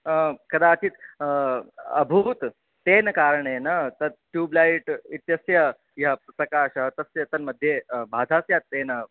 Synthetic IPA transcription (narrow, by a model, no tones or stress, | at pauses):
kɐd̪at̪iːt̪ | əbʱuːt̪ː | enəkaɾəɳenət̪əʈjuːblaiʈit̪jəsjə | japɾɐkaɕət̪əsjɐt̪ənməd̪ʱjebʱad̪ʱasjat̪ːenə